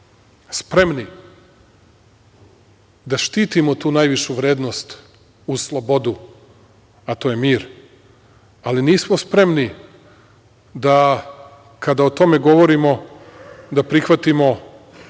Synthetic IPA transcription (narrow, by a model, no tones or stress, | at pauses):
spɾe̞mni | d̪aʃt̪iːt̪imot̪uːnajʋiʃuʋɾeːd̪no̞st̪ | uslˠobo̞d̪u | at̪oːjemiːɾ | aliniːsmo̞spɾe̞mni | d̪a | kad̪aot̪o̞me̞ɡo̞ʋo̞ɾimo̞ | d̪apɾixʋat̪imo̞